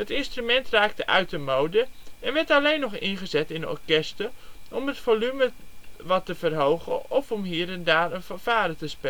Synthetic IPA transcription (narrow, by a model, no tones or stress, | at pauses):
ɦətɪnstrymɛntraːk̚təʔœɥtəmowdəɛnʋɛɹtɑlejnɔχɪnχəzɛtɪnɔ̰ɹkɛstəɔmətfolyməʋɑtːəvərɦowχə̰nɔfɔmɦiːɾɛndaːrənfvaːɾətəspɛ